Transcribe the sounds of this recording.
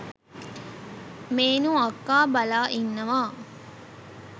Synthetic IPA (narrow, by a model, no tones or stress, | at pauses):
meːnũɐkːaːbɐlaːʔinːɐʋaː